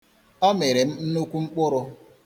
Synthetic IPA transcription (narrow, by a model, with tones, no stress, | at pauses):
ɔ˦me˨ɾe˨m̩˦n̩˦nu˦kʷu˦ŋ͡m̩˦k͡pʊ˦ɾʊ˦